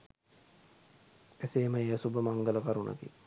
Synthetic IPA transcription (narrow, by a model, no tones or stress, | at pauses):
æseːməejɐsubəmaŋɡələkaɾunʔə̰kḭ